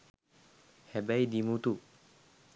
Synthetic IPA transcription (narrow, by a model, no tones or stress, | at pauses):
hɛbajd̪imut̪u